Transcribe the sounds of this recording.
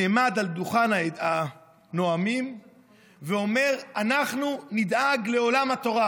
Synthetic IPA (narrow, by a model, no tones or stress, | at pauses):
eːmad̪ald̪uχanaa | no̞amim | veo̞me̞ʁanaχnunid̪aɡle̞o̞lamhat̪o̞ʁa